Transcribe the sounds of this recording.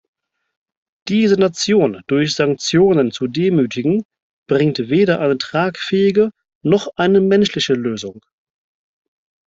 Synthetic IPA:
d̥iːzənat͡sjoːnd̥ʊɐçz̥aŋk̚t͡sjoːnənt͡sudeːmyːtɪɡŋ̩ | b̥ʁɪŋtveːɾɐʔaɪnətʁ̥aːkfɛːɪɡə | nɔχʔaɪnəmɛnʃlɪçəløːzʊŋ

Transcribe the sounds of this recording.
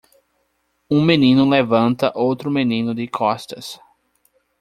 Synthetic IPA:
ũmẽnĩnʊlevɐ̃nt̪ɐʔowt̪ɾʊmenĩnʊd̪ɪkʰɔst̪ɐs

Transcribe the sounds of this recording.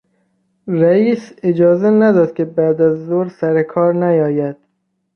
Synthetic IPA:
ɾæiːsed͡ʒɒːzenæd̪ɒːd̪̥̚kʲʰebæːd̪æzːoɾsæɾekʰɒːɾnæjɒːjæd̪̥̚

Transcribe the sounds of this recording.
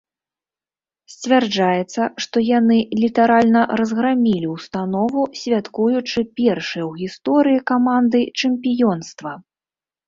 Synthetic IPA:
sʲt͡sʲvʲard͡ʐajɛt̪sːɐʂt̪ɔjanɨlʲit̪aɾalʲnɐrɐzɣɾamʲilʲiwst̪anɔvusʲvʲat̪kujut͡ʂɨpʲɛrʂɨjɛwɣʲist̪ɔɾɨjikamand̪ɨt͡ʂɨmʲpʲijɔnst̪vɐ

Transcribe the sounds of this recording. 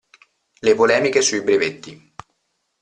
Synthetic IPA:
lepolɛːmikesuibɾevet̪ːi

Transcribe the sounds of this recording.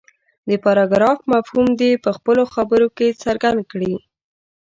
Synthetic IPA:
d̪əpɑɾɑɡɾɑfmafhumd̪epəxpəloxabəɾoket͡saɾɡand̪̚kɽi

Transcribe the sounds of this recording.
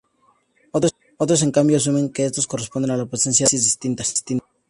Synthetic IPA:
ot | ot̪ɾos̬ẽ̞ŋkambjoas̬umẽ̞ŋkeest̪o̞sko̞respo̞nd̪e̞nalapɾese̞nsjasizðist̪int̪asst̪in

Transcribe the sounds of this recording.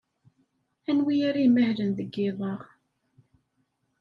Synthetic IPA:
ænwijaɾiməhlənðəɡːɪðˤɑʁ

